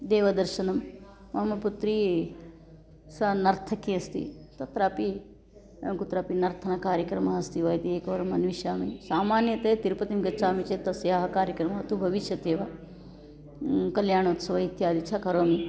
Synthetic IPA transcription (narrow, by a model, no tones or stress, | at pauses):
d̪eːʋɐd̪ɐɾʃɐnɐmmɐmɐput̪ɾiː | sɐnɐɾt̪ʰɐkiɐst̪ḭt̪ɐt̪ɾaːpi | kut̪ɾaːpinɐɾt̪ʰɐnakaːɾjɐkɾɐmaːɐst̪iʋɐːjt̪ieːkɐʋɐɾɐmɐnʋiʃaːmisaːmaːnjɐt̪ɐjɐt̪iɾpɐt̪imɡɐt͡ʃaːmit͡ʃet̪ɐsjaːɦɐkaːɾjɐkɾɐmaɐt̪ubʱɐʋiʃjɐt̪eːʋɐ | kɐljaːɳ̃oːt̪sɐʋɐɦit̪jaːd̪it͡ʃʰɐkɐɾoːmi